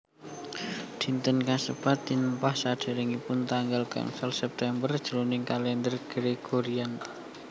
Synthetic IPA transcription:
d̪̥i̤nt̪ənkasəpat̪̚ːinəmpahsaɖ̥a̤ɾiŋipʊnt̪aŋɡalka̰nsəlsɛp̚t̪ɛmbərd̥ʒ̥ulunɪŋkalɛnd̪ərɡ̥ɾeɡ̥oɾian

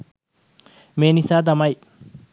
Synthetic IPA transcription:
meːnisaːd̪̬ɐmɐj

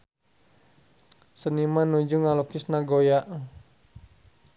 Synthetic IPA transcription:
sənimanud͡ʒuŋalokisnaɡojaʔ

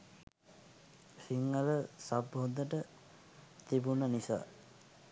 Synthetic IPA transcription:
siŋːəɾəsabond̪əʈə | t̪ibunənisa̰ː

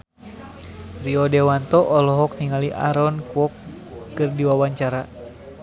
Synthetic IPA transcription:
riɔdɛwant̪ɔʔɔlɔɦɔk̚niŋaliʔa̰ɾɔnkuɔkː | ɨrdiwawaɲt͡ʃaɾa

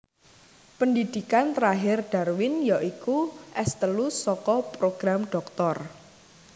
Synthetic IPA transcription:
pəndid̪̥i̤kant̪ɾaɦɪrɖ̪̥arwɪnjaʔikuʔɛst̪əlusɔkɔpɾoɡ̥ɾamɖ̥ɔ̤k̚t̪ɔr

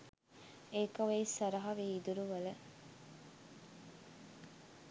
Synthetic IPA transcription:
eːkɐʋeisɐɾɐɦɐʋiːd̪uɾuʋɐlə

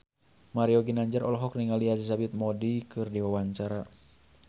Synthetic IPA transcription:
maɾiɔɡinaɲd͡ʒaɾɔlɦɔkniŋalializabit̪̚mɔdikɨrdiwawaɲt͡ʃaɾa

